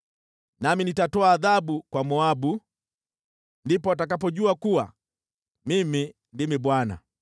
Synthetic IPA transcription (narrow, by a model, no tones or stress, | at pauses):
naminitatɔaːðabukwamɔabu | ndipɔat̬ak̬ap̬ɔɟuakuwa̰ | mimi | ndimibwana̰